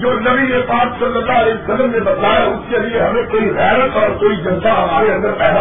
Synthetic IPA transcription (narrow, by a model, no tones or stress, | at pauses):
d͡ʒoːnɐbiepaːksɐlːəlːaɐlɛːəsəlːəmnebɐd̪laːjaʊskelɪeɦɐmẽkoːiɣɛːɾət̪ɔːɾkoːid͡ʒɐnsaɦɐmaːɾeɐ̃nd̪əɾpɛɦla